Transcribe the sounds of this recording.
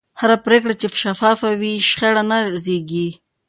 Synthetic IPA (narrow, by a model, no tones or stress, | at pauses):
haɾapɾekɽat͡ʃeʃafɑfawiʃχeɽanazeɡi